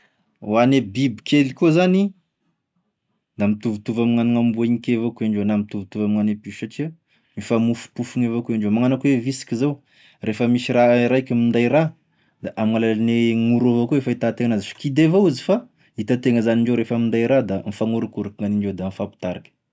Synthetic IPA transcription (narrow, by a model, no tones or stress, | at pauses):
wanebibikʰʲelikozani | d̪amit̪uvut̪uvamiŋaniŋambuiɲikʲevokuaɳɖ͡ʐenamit̪uvut̪uvamiŋanepiʃaʈ͡ʂia | mifamufu̥pufuŋevakuaɳɖ͡ʐemaŋanakuwevisi̥kʲizaw | refəmisiɾaɾaikʲəmind̪ajiɾa | d̪̥aʔamŋalalineŋuɾovakuefait̪at̪eŋanazifi̥kid̪evouzifa | it̪at̪eŋəzaniɳɖ͡ʐeɾefəmind̪aiɾad̪amifaŋuɾukuɾikiŋaniɳɖ͡ʐowd̪anifapi̥t̪aɾakʲə̥